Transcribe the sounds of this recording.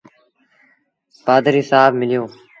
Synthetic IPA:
paːd̪əɾiːsaːbmɪljoː

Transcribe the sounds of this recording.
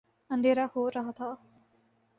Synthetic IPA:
ə̃nd̪ʱeːɾahoːɾɐɦət̪ʰaː

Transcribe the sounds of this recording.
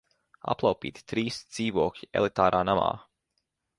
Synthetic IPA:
a̰plˠawpḭːt̪i̥t̪ɾiːsd̪z̥iːvuɔkʎiɛlˠit̪aːɾʔaːnama̰ː

